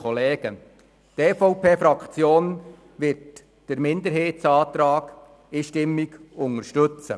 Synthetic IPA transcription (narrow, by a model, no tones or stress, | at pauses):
ɔleːɡ̥ə | tɛːfɔʊpʰeːfɾɑkχt͡sjoːn | ʋɪrt | d̥əɾmɪnd̪əɾɦeːtsɑːt̪ɾɑːɡ̥ | ɪʃtɪmːiɡʊŋəɾʃtɵt͡sə̰